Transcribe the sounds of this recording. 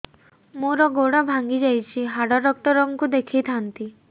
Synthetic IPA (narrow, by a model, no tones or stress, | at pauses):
moɾɔɡoɽabʱaŋɡid͡ʒajt͡ʃʰiɦaɽɔɾɔk̚t̪ɔɾɔŋkud̪ekʰijt̪ʰant̪i